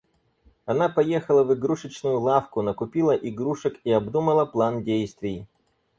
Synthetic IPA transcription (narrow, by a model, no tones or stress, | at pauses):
ɐnapɐjexəlˠəvɨɡɾuʂət͡ɕnʊjʊlˠafkʊnəkʊpʲilˠəʔɪɡɾuʂəkiɐbd̪uməlˠəplˠandʲejst̪vʲɪj